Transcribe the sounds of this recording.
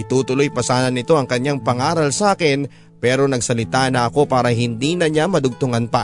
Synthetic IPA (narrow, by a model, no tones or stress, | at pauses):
ʔɪt̪uːt̪ʊlojpɐsaːnɐnːɪt̪o̞ʔɐŋkɐɲaŋpɐŋaːɾɐlsaːkɪn | pɛːɾo̞nɐɡsɐlɪt̪anɐʔɐko̞paːɾɐɦɪnd̪inɐɲamɐd̪ʊɡ̚t̪ʊŋanpɐ